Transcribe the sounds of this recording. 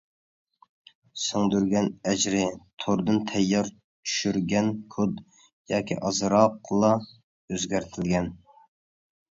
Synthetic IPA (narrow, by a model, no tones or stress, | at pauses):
soŋd̪yɾɡʲɛnɛd͡ʒɾɪt̪ʰoɾd̪ɨnt̪ʰɛjːɑɾ | t͡ʃʰy̥ʃyɾɡʲɛnkʰʊd̪ | jɑːkʲʰḭʔɑzɾɑqʰlˠɑ | øzɡʲæɾt̪ʰɪlɡʲɛn